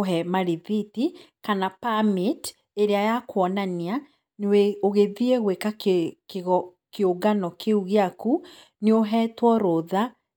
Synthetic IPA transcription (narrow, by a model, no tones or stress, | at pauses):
ɦɛmaɾivitikanapamet | eɾeajakwɔnanea | neweoɣeðieɣwekakeɣɔ | keoɡanɔkʰeuɣeaku | neoɦɛtwɔɾoða